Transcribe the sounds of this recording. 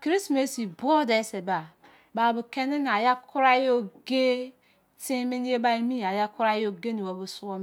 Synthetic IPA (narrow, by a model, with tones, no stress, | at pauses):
kɾi˦sme˨˦si˨bo˦de˨˦se˨ba˨ | ba˨bu˨ke˦ni˦n˨a˨ja˦kʰu˦ɾa˦jo˦ɡe˦ | ti˦mi˦n˦e˦ba˦i˦mi˦˨a˨ja˦ku˦ɾa˦jo˦ɡe˦ni˨wa˨bu˦su˦o˦m˨